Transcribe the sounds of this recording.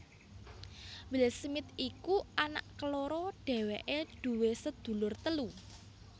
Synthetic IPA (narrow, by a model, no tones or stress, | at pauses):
wɪlsmɪt̪̚ikuʔana̰ʔkəloɾɔɖ̥e̤weʔed̪̥ṳwesəd̪̥ṳlʊrt̪əlu